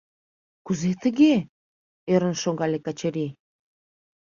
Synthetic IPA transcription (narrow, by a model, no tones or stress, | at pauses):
kuzet̪ə̆ɣe | øɾə̆nʃoɣɑlekɑt͡ɕeɾi